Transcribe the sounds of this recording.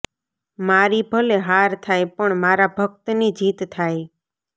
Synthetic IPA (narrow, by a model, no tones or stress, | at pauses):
maɾibʱəleɦaɾt̪ʰajpəɳmaɾabʱəkt̪nid͡ʒit̪ːʰaj